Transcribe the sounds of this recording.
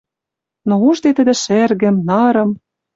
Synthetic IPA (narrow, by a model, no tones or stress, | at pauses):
nouʒd̪et̪ə̆d̪ɘ̆ʃerɣɘ̆mnɑɾɤ̆m